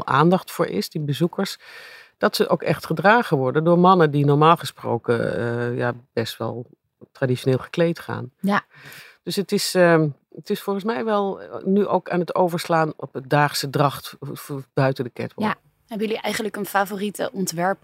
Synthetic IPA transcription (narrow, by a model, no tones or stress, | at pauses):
lˠʔa̰ːndɑχtfʊːɹʔɪ̰sdibəzukəɹs | d̥ɑtsəʔowkɛχtχədraːɣəʋɔɹdəndʊːɹmɑnədinɔɹmaːlˠχəspro̰wkə̰ja̰b̥ɛstʋɛ̰lˠ | tradit͡ʃoneːlˠχəklejtχa̰ːn | d̥øsətɪs | ətɪsfɔlˠχən̩smɛjʋɛlˠnyʔo̰wkaːnɦətowvəɹslaːnɔpət̚daːχsədrɑχtb̥œɥtədəkɛ̰tʋɔ̰ | ɦɛbəjəliʔɛjχənləkənfaːvoritə̰ʔɔntʋɛɹp